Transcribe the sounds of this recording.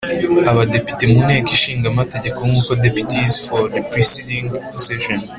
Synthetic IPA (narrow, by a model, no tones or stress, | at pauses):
aβade̞pi̥temuneːkiʃiːŋɡamate̞ɟe̞komŋuːkodepi̥tizfodipɾesidĩŋ | seʃon